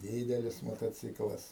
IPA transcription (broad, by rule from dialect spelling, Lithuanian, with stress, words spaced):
ˈdʲiːdʲɛlʲɪs moːtoːˈt͡sʲɪklˠɐs